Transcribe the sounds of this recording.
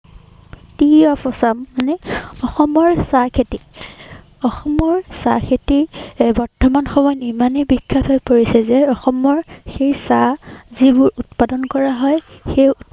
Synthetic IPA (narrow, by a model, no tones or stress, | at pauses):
tiɔpɔsamːanɛɔxɔmɔɹsakʰeti | ɔxɔmɔɹsa̰kʰetibɔɹtʰːɔmanxɔmɔjnimanebikʰːatʰojpoɹisɛzɛɔxɔmɔɹxejsazibʊɹutpadɔnkɔɹaɦɔjxej